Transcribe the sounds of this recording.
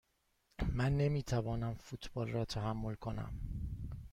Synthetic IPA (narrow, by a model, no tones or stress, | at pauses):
mænːe̞miːt̪ʰævɒːnæmfut̪ʰb̥ɒːlrɒːt̪ʰæɦæmːo̞lkʰonæ̰m